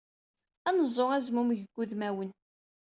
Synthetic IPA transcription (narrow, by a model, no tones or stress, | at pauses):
ænəzˤːoʁæzmumʝəɡʷːuðmæwən